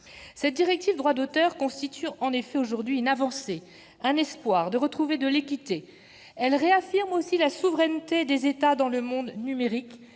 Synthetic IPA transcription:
sɛt̪̚d̪iʁɛk̚t̪ivd̪ʁwad̪ot̪œʁkɔ̃st̪it̪yɑ̃nefɛoʒuʁd̪ɥiynavɑ̃se | ɛ̃nɛspwaʁd̪əʁət̪χuved̪əlekʲit̪e | ɛlʁeafiʁmosilasuvʁɛnt̪ed̪ezet̪ad̪ɑ̃ləmɔ̃d̪nymeʁik

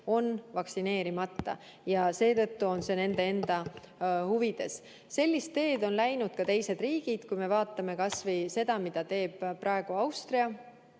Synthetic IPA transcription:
o̞nvɑksine̞ːɾimɑt̪ːɑ̰ | jɑse̞ːt̪ɤ̞t̪ːuo̞nse̞ne̞nd̪e̞e̞nd̪̥ɑ | huvid̪̥e̞s | se̞lʲːist̪ːe̞ːd̪o̞nlæjnud̪̥̚kɑt̪e̞jse̞d̪̥riːɡ̥id̪̥kujme̞vɑːt̪ˑːɑme̞kɑsvɤjse̞d̪̥ɑmid̪̥ɑt̪e̞ːb̥rɑe̞ɡ̥uɑwst̪riɑ

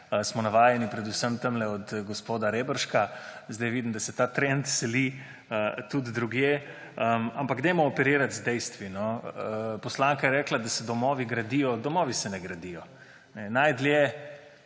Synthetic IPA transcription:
smɔnaʋaːjɛnipɾɛd̪usəmt̪əmlɛɔd̪ɡospoːd̪aɾebəɾʃkazd̪ajʋid̪imd̪asɛt̪aːt̪ɾɛnt̪sɛli | ət̪ud̪ːɾuɡje | əmampaɡd̪ɛmɔːpɛɾiːɾat̪zd̪ɛjst̪ʋinɔ | pɔslaːŋkajɛɾɛːklad̪asɛd̪ɔmɔːʋiɡɾad̪ijɔd̪ɔmɔːʋisɛnɛɡɾad̪ijɔ | nɛnajd̪ljɛ

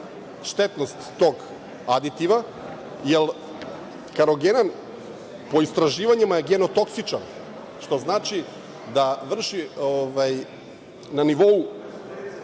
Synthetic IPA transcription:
ʃt̪et̪nost̪ːoɡ | ad̪it̪iʋa | jel | kaɾoɡenan | po̞ist̪ɾaʒiːʋaɲemajeɡeno̞t̪o̞ksit͡ʃan | ʃt̪o̞znaːt͡ʃi | d̪aʋr̩ʃioʋaj | naniʋo̞u

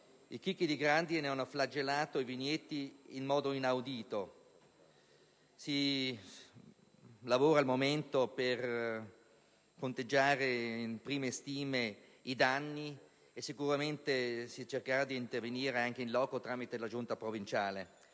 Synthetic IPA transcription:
ikikːid̪iɡɾand̪ineanːoflad͡ʒelaːt̪oivinjet̪ːiːnmɔːd̪oinawd̪iːt̪o | si | lavoːɾaːlmoment̪oper | kont̪ed͡ʒːaːɾeinpɾiːmest̪iːmeid̪anːi | esːikuɾament̪esit͡ʃerkaɾad̪iːnt̪erveniːɾeaŋk̟einlɔːkot̪ɾaːmit̪elad͡ʒunt̪apɾovint͡ʃaːle

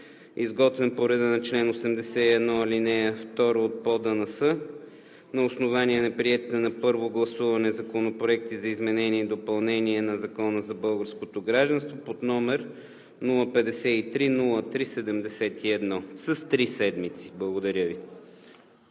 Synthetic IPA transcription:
izɡɔt̪vɛnpoɾɛd̪ənɐt͡ʃlɛnosɛmd̪ɛsɛiɛd̪nɔilinɛft̪ɔɾoːt̪̚pɔd̪ənɐsɤ | nɐosnovaniɛnɐpɾiɛt̪it̪ɛnɐpɤɾvoɡlˠɐsuvɐnɛzɐkonopɾoɛk̚t̪izɐizmɛnɛniɛid̪opɐlˠnɛniɛnɐzɐkɔnəzɐbɤlˠɡəɾskot̪oɡɾaʒd̪ɐ̃nst̪vopod̪nɔmɛɾ | nulˠəpɛd̪ɛsɛit̪ɾinulˠət̪ɾisɛd̪ɛmd̪ɛsɛt̪iɛd̪nɔsɐst̪ɾisɛd̪mit̪si̥blˠɐɡod̪ɐɾʲəvi

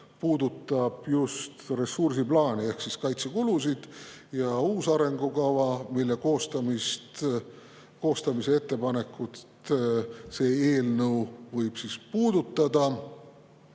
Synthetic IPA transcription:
puːd̪ut̪ːˑɑb̥just̪re̞sursiplɑːnie̞hksiskɑjt̪sekulusid̪̥jɑuːsɑɾe̞ŋɡ̥ukɑvɑmilːe̞ko̞ːst̪ɑmist̪ | ko̞ːst̪ɑmise̞e̞t̪ːe̞pɑne̞kːˑut̪ | se̞ːe̞ːlnə̞wvɤjb̥sispuːd̪̥ut̪ːɑd̪ɑ

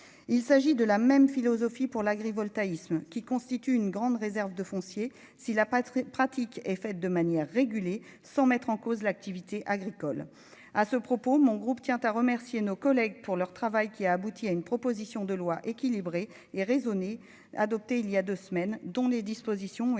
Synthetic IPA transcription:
ilsaʒid̪əlamɛmfilɔzɔfipuʁlaɡʁivɔlt̪aismkʲikɔ̃st̪it̪yynɡʁɑ̃d̪ʁezɛʁvd̪əfɔ̃sje | silapχat̪ʰikɛfɛt̪̚d̪əmanjɛʁːeɡʲylje | sɑ̃mɛt̪χɑ̃kozlak̚t̪ivit̪eʔaɡʁikɔl | asəpχɔpomɔ̃ɡʁupt̪jɛ̃t̪aʁəmɛʁsjenokɔlɛɡpuʁlœʁt̪χavajkʲiaːbut̪ʰiaynpχɔpozisjɔ̃d̪əlwaʔekʲilibʁe | eʁezɔne | a̰d̪ɔp̚t̪eiljad̪øsmɛnd̪ɔ̃led̪ispozisjɔ̃

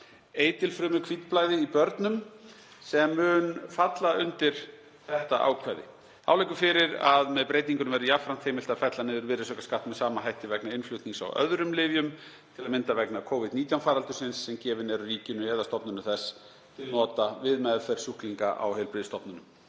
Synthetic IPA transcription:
eːjt̪ɪlfɾʏːmʏkʰv̥it̪plaːjðɪipœɾt̪nʏm | sɛmːʏːnfat̪laʏnt̪ɪɾ̥ | θɛht̪aʔa̰ːwkʰvajðɪ̰ | θawlejkʏfɪɾɪɾaðmɛðpɾeːjt̪iŋkʏnʏmɛɾʏjafɾan̥t̪ʰeːjmɪl̥t̪aðfɛt̪lanɪðʏɾvɪːɾɪsœːkaskaht̪mɛðsaːmaɦajht̪ɪvɛknaɪnflʏht̪niŋsa̰wœ̰ðɾʏmlɪːvjʏm | t̪ʰɪlaðmɪnt̪avɛknakʰoːwvɪd̪niːt̪jawnfaːɾalt̪ʏ̥sɪnsːɛmcɛːvɪnɛɾʏriːcɪnʏhɛːðast̪ɔpnʏnʏθɛsː | t̪ʰɪlnɔːt̪avɪðmɛðfɛɾ̥suhkliŋka̰ʔa̰whejlpɾɪːðɪst̪ɔpnʏnʏm

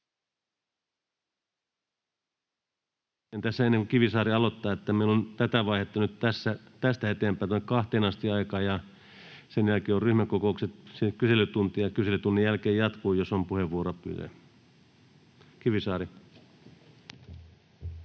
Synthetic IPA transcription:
ent̪æsːæenːeŋkukiʋisɑːɾiɑlot̪ːɑːet̪ːæmeulont̪æt̪æʋɑihet̪ːɑnyt̪t̪æsːæt̪æst̪æhet̪ˑeːmpæːnt̪unːekkɑht̪eːnɑst̪iɑikɑːjɑ | senjælkeːorryhmækokoˑukset̪sekyselyt̪unt̪ijɑkyselyt̪unːijælkeːjjɑt̪kuːjosompuheʋːuoɾopy̰ðæ̰ | kiʋisɑːɾi

